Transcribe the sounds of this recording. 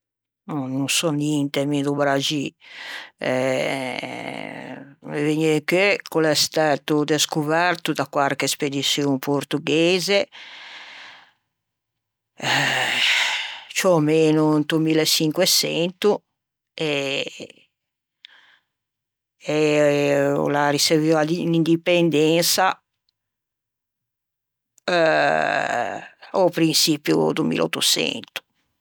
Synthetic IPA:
nɔnunsɔnjɛnt̪emiðubɾad͡ʒi | ɛ | veɲekøkulɛst̪aːt̪ud̪eskuvɛrt̪ud̪akwarkesped̪isjopʰoɾt̪uɡɛeːze | t͡ʃɔmeːnunt̪umiːlɛt͡ʃːiŋkwɛsɛnt̪u | ɛ | ɛ̰ | lariseviad̪inind̪ipend̪ɛnsa | opɾinsipjṵt̪umḭlɔ̰t̪ːusɛ̰nt̪u̥

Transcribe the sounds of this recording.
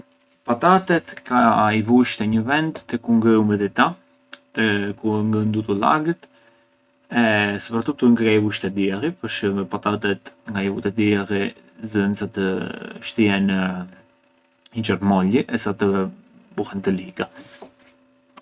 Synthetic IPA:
pat̪at̪ɛt̪kaivuʃt̪ɛɲəvɛnd̪ːəkuŋɡɾɛumɛðɛt̪a | t̪əkuŋɡənd̪ut̪ula̰ɡət̪ | ɛsəpɾat̪ut̪uŋɡkaivuʃt̪ɛd̪iɛripəɾʃəmɛpat̪at̪ɛt̪ŋɡaivut̪ɛd̪iɛri | zðɛnsat̪əʃt̪əjɛnə | id͡ʒəɾmɔliʔɛsat̪əbuhɛnt̪əliɡa

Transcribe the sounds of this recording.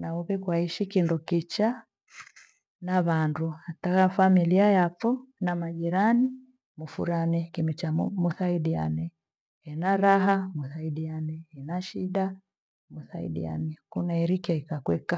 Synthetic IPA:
nauβɛkwaiʃikindɔkit͡ʃa | naβanduhatakafamiliajapfunamaʄiɾani | mufuɾanɛkimit͡ʃamuθaiɗia̰nɛ | hɛnaɾaɦamuθaiɗianɛhɛnaʃiɗa | muθaḭɗḭa̰nɛkunaiɾikaikakwɛka

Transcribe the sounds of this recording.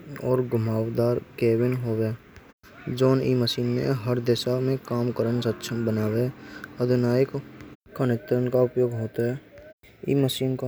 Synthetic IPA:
ɔːɾɡʊmaːwd̪aːɾkeːbɪnɦoːwe | d͡ʒoːnḭməsiːnmḛ̃ɦəɾd̪eːʃamẽkaːmkəɾənsətːʃʰəbənaːweəd̪ʱɪnaːjɪkkənɪt̪ɾənkaʊpjoːɡɦoːt̪aɦɛ | ḭːməʃiːnka

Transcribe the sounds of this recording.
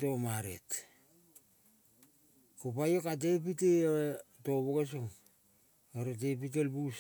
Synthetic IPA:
to̞maɾḛt | kopajo̞kat̬e̞piteoɾeto̞boke̞s̬oŋ | oɾet̬epit̬elbus

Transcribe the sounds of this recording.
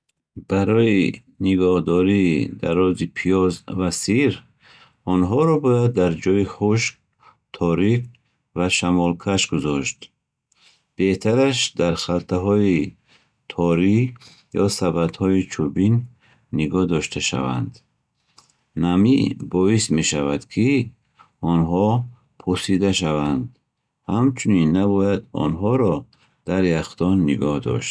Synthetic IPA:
b̥aɾɔi | niɡɔhd̪ɔɾiːd̪a̰ɾɔzipʰijɔzvasiɾ | ɔnɦɔɾɔbɔjad̪ːaɾd͡ʒɔiχuʃk̚ | t̪ʰɔɾif | vaʃamɔlkʰaʃɡuzɔʃt̪ | b̥eht̪ʰaɾaʃd̪aɾχalt̪ʰaɦɔi | t̪ʰɔɾi | jɔsabad̪hɔit͡ʃʰubinː | iɡɔhd̪ɔʃt̪ʰaʃa̰va̰nd̪ | namibɔisme̞ʃavad̪̥kʰi | ɔnɦɔ | pʰuɾsid̪aʃavand̪ | hamt͡ʃʰuninːabɔjad̪ɔ̰nɦɔɾɔ | d̪̥aɾjaχt̪ɔnːiɡɔhd̪ɔ̰ʃt̪̚

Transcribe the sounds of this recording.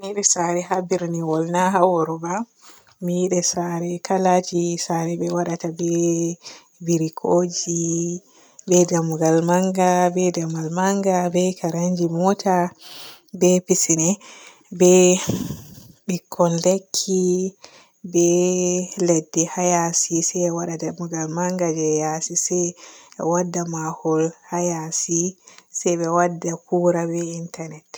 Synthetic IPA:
miɗɛsaɾɛɦabiɾniwɔlnaɦawɔɾuba | miiɗɛsaɾɛkalad͡ʒisaɾɛbɛwaɗatabɛ | biɾikʰoːd͡ʒi | bɛdamuɡalmaŋɡabɛdamalmaŋɡabɛkaɾaɲd͡ʒimɔtʰa | bɛpisinɛ | bɛ | ɓikʰːɔnlekʰːi | bɛ | lɛdːɛhajasisɛwaɗadamuɡalmaŋɡad͡ʒɛjasisɛjɛwadːamahɔlhajasisɛjbɛwadːakuɾabɛintanɛt

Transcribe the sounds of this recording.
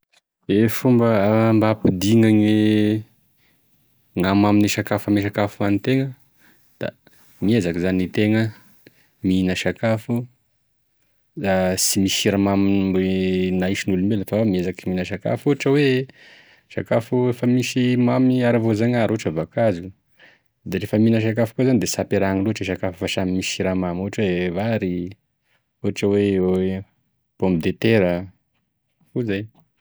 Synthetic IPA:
efumbəmbapid̪iŋaɲwe | ŋamaminiʃakafamiʃ̬akafuanit̪eŋə | d̪̥a̰ | miezakizanit̪eŋə | minəʃakafu | zasimisiɾamaminmbenaiʃinulumbeləfawamiezakiminəʃaka̰fuʈ͡ʂəwe | ʃa̰kafuɾefəmisimamiaɾavozaɲaɾoʈ͡ʂəvakazu | d̪eɾefəminəʃ̬ak̬afu̥kozanid̪esapeɾaŋiluʈ͡ʂeʃ̬akafufaʃamimisiɾamamuɦʈ͡ʂvaɾi | uʈ͡ʂəwee | pombid̪et̪eɾə | uzaj

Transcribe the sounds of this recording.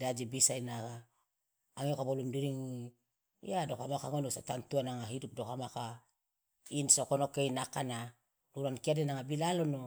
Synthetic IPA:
dad͡ʒibisainaɡaː | ŋeokabolumdiɾiŋui | j̰adokamakaŋonosatantuanaŋaɦidup̚dokamaka | insokonokeinakana | luɾankiadenaŋabilalono

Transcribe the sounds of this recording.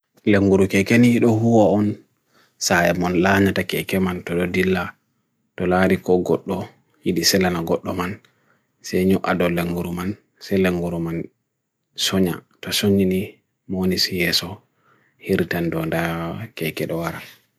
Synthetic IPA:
leŋɡuɾukɛkɛnijiɗɔhuwaɔn | sajɛmɔnlaɲatakɛkɛmantɔɗɔdilːa | tɔlaɾikɔɡɔ̰ɗːɔ | jiɗisɛlanaɡɔɗːɔman | sɛjɲuʔa̰dɔleŋɡuɾuman | sɛleŋɡuɾuman | sɔɲa̰ | tɔsoɲini | monisjɛsɔ | hiɾtandɔndakɛkɛɗɔwaɾa

